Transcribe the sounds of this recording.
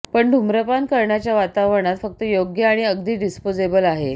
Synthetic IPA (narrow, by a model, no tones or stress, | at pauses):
pəɳɖʱumɾəpankəɾɳjat͡ɕjaʋat̪aʋəɳ̃at̪fək̚t̪əjoɡjəaɽ̃iəɡd̪iːɖispod͡zebəlaɦe